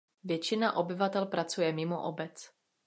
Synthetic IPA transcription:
vjɛt͡ʃɪnaʔo̞bɪvat̪ɛlpɾat͡sujɛmɪmoʔobɛt͡s

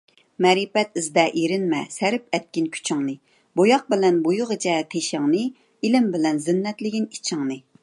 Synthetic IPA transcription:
mɛɾipɛt̪ɪzd̪ɛʔiɾɪnmɛsɛɾɪp̚ɛt̪̚kʲinkʲʰy̥t͡ʃʰɨŋnɨ | bojɑq̚bɪlɛnbojʊʁət͡ʃʰɛt̪ʰeʃɪŋnɨ | ilɪmbɪlɛnzɪnːɛt̪lɪɡʲinit͡ʃʰɨŋnɨ

